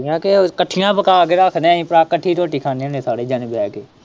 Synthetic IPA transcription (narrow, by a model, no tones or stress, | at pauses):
jãːkekəʈʰːɪjãːbəkaːkeɾaːkʰnɛ̃ːĩːpɾaːkəʈʰːiːʈoːʈiːkʰaːniːənẽːsaːɽeːd͡ʒaːnebɛːkeː